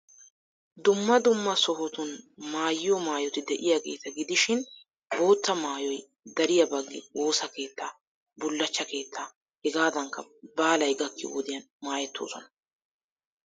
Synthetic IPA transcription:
d̪ʊmːɐd̪ʊmːɐsɔhɔt̪ʊnmaːjɪjɔmaːjɔt̪ɪd̪ɛʔɪjaɡe̞ːt̪ɐɡɪd̪ɪʃɪn | bo̞ːt̪ːɐmaːjɔj | d̪ɐɾɪjɐbɐɡːɪ̰o̞ːsɐke̞ːt̪ːaː | bʊlːɐt͡ʃːɐke̞ːt̪ʰːaː | hɛɡaːd̪ɐŋkːɐbaːlɐjɡɐkːɪod̪ɪjɐn | maːjɛt̪ʰːo̞̰ːsɔnɐ̥

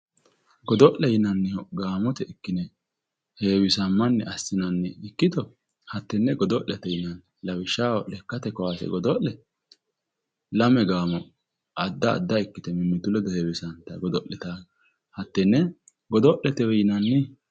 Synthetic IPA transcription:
ɡɔd̪ɔʔlɛjɪnɐnːɛɔɡaːmɔt̪ɛɪkːɪnɛ | heːwɪsɐmːɐnːɛʔɐsːɪnɐnːɛɪkːɪt̪ɔ | hɐt̪ːɛnːɛɡɔd̪ɔʔɛt̪ɛjɪnɐn | lɐwɪʃːaːwɔʔɛkːɐt̪ɛkɔwaːsɛ̰ɡɔd̪ɔʔɛ | lɐmɛɡaːmɔ | ʔɐd̪ːɐ̰ːd̪ːɐɪkːɪt̪ɛmɪmːɪt̪ʊlɛd̪ɔheːwɪsɐnt̪ːɐɡɔd̪ɔʔɛt̪aː | hɐt̪ːɛnːɛ | ɡɔd̪ɔʔlɛt̪ɛwɛjɪnɐnːɛ

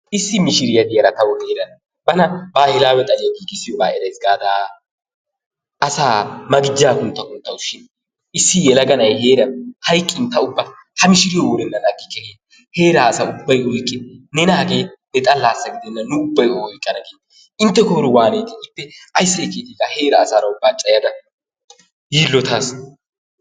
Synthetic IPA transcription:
ʔɪsːɪmɪʃɪɾɪjɐd̪ɪjɐɾɐt̪ɐwɔd̪eːɾɐn | bɐnɐbaːhɪlaːwɛt̪ʼɐlɪjɐɡiːɡɪsɪjɔba̰ːɛɾɛjsɡaːd̪aː | ɐsaːmɐɡɪd͡ʒːaːkʊnt̪ːɐkʊnt̪ːɐʊʃːɪn | ɪsːɪjɛlɐɡɐnɐjheːɾɐnhɐjkʼːɪnt̪ːɐʊbːɐ | hɐmɪʃɪɾɪjɔwɔɾɛnːɐnɐɡɪkːɛheː | he̞ːɾaːsɐʊbːɐjwɔjkʼːɪnɛnaɡeːnɛt̪ʼɐlːaːsːɐɡɪd̪ɛnːɐnʊʊbːɐjɔjkʼːɐnɐɡeːd̪ | ɪnt̪ːɛkɔɾɪwaːneːt̪ɪɪpːɛʔɐjsːɐɪkeːt̪iɡahe̞ːɾɐːsaːɾɐʊbːaːt͡ʃʼɐjɐd̪ɐ | jiːlːɔt̪as

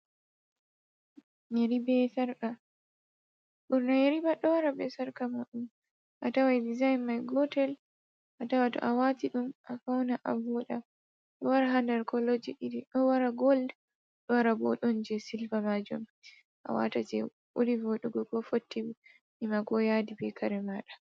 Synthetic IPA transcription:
jeɾibɛsaɾka | ɓɔɾnajeɾibaɗɔwaɾabɛsaɾkamɔɗum | ʔatawajdizajnmajɡɔtɛl | ʔatawatɔ̰ʔawatiɗumʔafawnaʔavɔɗa | ɗɔwaɾaɦandɛɾkɔlod͡ʒiɗidiɗɔwaɾaɡɔld | ɗɔwaɾabɔɗɔnd͡ʒɛsilfamad͡ʒṵm | ʔa̰wa̰tad͡ʒɛ̰ | ʔulivɔɗuɡɔɡɔfotːiwi | ʔimaɡɔjadibɛkʰaɾɛmaɗa

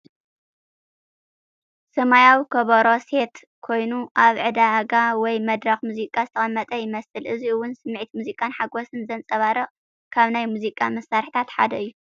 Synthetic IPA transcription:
sɐmajawikʰɐβɐɾo̞se̞t̪ | kʰo̞jnuʔaβʕɨd̪aɡawɔjmɐd̪ɾɐxmuzikʼːazɨt̪ʰɐχʼɐmːɐt̪ʼɐjɪmɐsɨlʔɨziɨwːʊnsɨmːʕit̪muzikʼanħaɡosɨnzɐnt͡sʼɐβaɾɐ | kʰaβnajmuzikʼːamɐsːaɾħi̥t̪ʰat̪ħa̰d̪ɐɨjːu

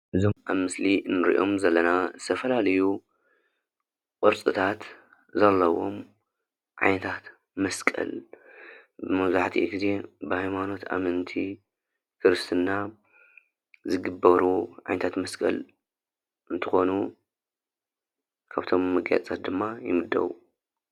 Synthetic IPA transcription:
ʔɨzomʔaβmɨslinːɨɾḭʔo̞mzɐlːɐnazɨt̪ʰɐfɐlalɐju | qʼɨɾsʼɨt̪ʰat̪ | zɐlːɐwo̞̰m | ʕa̰jnɐt̪ʰat̪ | mɐskʼɐ̰l | bɨmɐβzaħt̪ʰiʔiɡize̞bɨhajmano̞t̪a̰mɨnt̪ʰi | kʰɨɾɨst̪ʰɨnːa | zɨɡɨbːɐɾuʕa̰jnɐt̪ʰat̪mɐskʼɐ̰l | ʔɨnt̪ʰɨxo̞nu | kʰaβt̪ʰo̞mːɨɡja̰t͡sʼat̪̚d̪ɨmːajɪ̰mɨd̪ːɐ̰wṵ

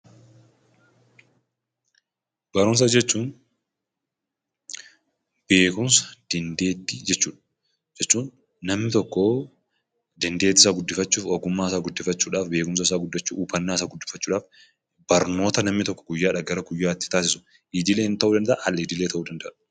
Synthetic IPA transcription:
b̥ɐɾʊms̬ɐd͡ʒɛt͡ʃːuːn | b̥e̞ːkʊmsɐ̥d̪̥ɪnd̪e̞ːd̪ːid͡ʒɛt͡ʃːuːᶑɐ̥ | d͡ʒɛt͡ʃːuːnː | ɐmnɪt̪ɔkːɔ | d̪ɐnd̪e̞ːt̪ːɪsaːɡʊd̪ːɪfɐt͡ʃːuːfɔɡʊmːaːɪsaːɡʊd̪ːɪfɐt͡ʃːuːᶑaːfbeːkʊms̬ɐɪs̬aːɡʊd̪ːɐt͡ʃːuːuːfɐnːaːɪsaːɡʊd̪ːɪfːɐt͡ʃːuːᶑaːf | b̥ɐɾno̞ːt̪ɐnɐmnɪt̪ɔkːɔ̥ɡʊjːaːᶑɐɡɐɾɐɡʊjːaːt̪ːɪ̥t̪aːs̬ɪsʊ̥ | ʔɪd̪ɪleːnt̪ɐʔuːd̪ɐnd̪ɐʔʔɐlːɪd̪ɪlet̪ɐʔuːd̪ɐnd̪ɐʔɐ

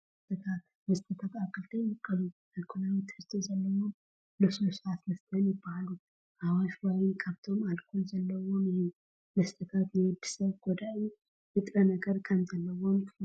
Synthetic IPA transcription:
st̪ʰʼɨt̪ʰat̪ | mɐst̪ʰʼət̪ʰat̪akːɨlt̪ʰɐjɨkʼːɐlu | alkʰonawt̪ʰːɨhɨst̪ʰozɐlːɐwom | lɨsosat̪mɐst̪ʰɐnjɪbːahalu | ʔawaʃwajkʰaβt̪ʰo̞malkʰolzɐlːəwom | mɐst̪ʰʼət̪ʰat̪nid̪ːɨsɐβɡod̪au | jɨt̪ʼɾɐnəɡɐɾkʰɐmzɐlːəwomʰ

